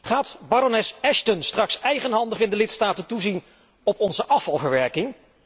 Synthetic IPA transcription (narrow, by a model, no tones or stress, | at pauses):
χaːtbaɾonɛsɛʃtənstrɑksɛjχənɦɑndəχɪndəlɪtstaːtəntuzin | ɔpɔnzəʔɑfɑlˠvəɹʋɛɹkɪŋ